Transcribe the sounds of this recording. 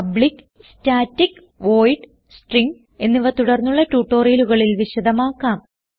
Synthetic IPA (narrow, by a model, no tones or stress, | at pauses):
ɐbɭik | staːtːik | ʋo̞ːjʈ | sʈriŋɡ | e̞nːiʋɐt̪uɽɐrnːuɭːɐtuːʈːo̞ːriluɣɐɭilʋiɕɐd̪ɐmaːkːaːm